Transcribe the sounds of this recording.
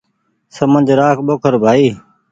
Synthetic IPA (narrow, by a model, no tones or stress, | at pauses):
səmə̃nd͡ʒʱɾaːkʰɓoːkʰəɾbʱaːiː